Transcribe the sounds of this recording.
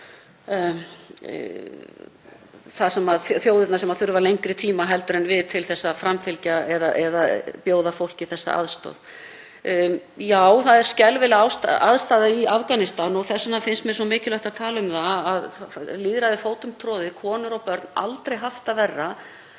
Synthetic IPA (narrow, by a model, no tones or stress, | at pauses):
θaðsɛmaðθθjoːwðɪt̪nasɛmaðθʏɾvaɾlejɲkɾɪt̪ʰiːmaɦɛlt̪ʏɾɛnvɪðt̪ʰɪlθɛsːafɾamfɪlcaɛðaʔɛðapjoːwðafowl̥cɪθɛsːa̰ʔa̰ðst̪ɔ̰ð | jaːwθaðɛɾ̥scɛlvɪlawst̪aa̰ðst̪aːðaiafkanɪst̪anɔɣθɛsːʏnafɪnst̪mɛs̬ɔmɪːcɪlœht̪aðt̪ʰaːlʏmθaaðliːðɾaðɪfoːwt̪ʏmt̪ʰɾɔːðɪkʰɔːnʏɾɔpœɾt̪na̰lt̪ɾejɦaft̪avɛrːa